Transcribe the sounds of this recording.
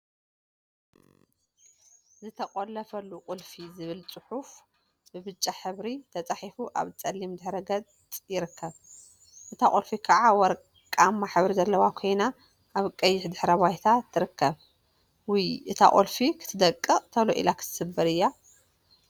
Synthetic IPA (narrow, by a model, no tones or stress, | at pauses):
zɨt̪ʰɐqʼolːɐfɐlːuqʼʊlfizɨβɨlt͡sʼɨħuf | bɨbɨt͡ʃʼːaħɨβɾit̪ʰɐt͡sʼaħifuʔa̰βt͡sʼɐlːimd̪ɨħɾɐɡɐt | t̪ʼjɪɾɨkʰːɐβ | ʔɨt̪ʰakʼolfikʰaʕawɔɾ | kʼamːaħɨβɾizɐlːɐwakʰo̞jna | ʔaβkʼɐjːɪħd̪ɨħɾɐβajt̪ʰat̪ʰːɨɾɨkʰːɐβ | wujʔɨt̪ʰa̰ʔʼolfikʰɨ̥t̪ʰɨd̪ɐkʼːɨt̪ʰɐloʔḭlakʰɨ̥t̪ʰɨ̥sɨbːɐɾɨjːa